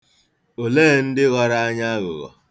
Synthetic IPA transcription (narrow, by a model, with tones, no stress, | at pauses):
o˨leː˦˨n̩˦dɪ˦ɣɔ˦ɾa˦a˦ɲa˦a˦ɣʊ̰˨ɣɔ̰˨